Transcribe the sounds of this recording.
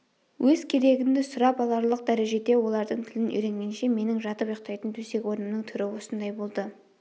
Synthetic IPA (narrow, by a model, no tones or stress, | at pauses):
wʔɵzkʲʰe̞ɾe̞ɡʲɪnd̪ɪsʊɾɑpɑlˠɑɾlˠəq̚d̪æɾe̞ʒe̞d̪e̞wo̞lˠɑɾd̪əɴt̪ʰɪlɪnʔʏ̰jɾe̞ŋɡʲe̞nʃe̞me̞nɪŋʒɑt̪əpjoq̚t̪ɑjt̪ənt̪ʰɵse̞kʲwo̞ɾnəmnəŋt̪ʰʏɾɪwo̞sənd̪ɑjbo̞lˠd̪ə